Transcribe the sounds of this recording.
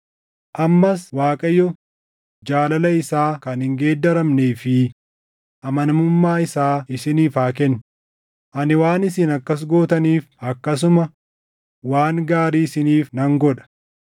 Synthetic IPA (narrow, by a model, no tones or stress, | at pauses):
ʔɐmːɐswaːkʼɐjːɔ | d͡ʒaːlɐlɐɪsaːkɐnhɪŋɡe̞ːd̪ːɐɾɐmneːfɪ | ʔɐmɐnɐmʊmːaːɪsaːɪsɪniːfaːkɛnː | ʔɐnɪwaːnɪsɪnɐkːɐs̬ɡoːt̪ɐniːfɐkːɐs̬ʊmɐ | waːŋɡaːɾiːsɪniːfnɐŋɡɔᶑɐ̥